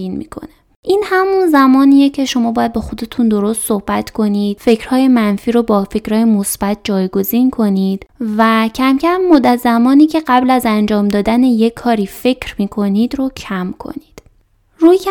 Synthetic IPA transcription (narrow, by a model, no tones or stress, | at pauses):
inmḭːkʰo̞̰ne | ʔiːnhæmunzæmɒːniːjecʰe̞ʃo̞mɒːbɒːjæd̪̚bɒːxo̞d̪e̞t̪ʰund̪o̞ɾost̪so̞hb̥æt̪ʰkʰo̞niːd̪̥fe̞cʰɾ̥hɒːje̞mænfiːɾobɒːfe̞cɾɒːjemosb̥æt̪̚ʰd͡ʒɒːjɡo̞ziːnkʰo̞niːd̪̥væcʰæmcʰæmːod̪æt̪zæmɒːniːcʰe̞ɢæblæzænd͡ʒɒːmd̪ɒːd̪æneje̞kʰːɒːɾiːfe̞cʰɾmiːkʰo̞nid̪ɾocʰæmkʰo̞̰nid̪̥ | ɾuːjkʰ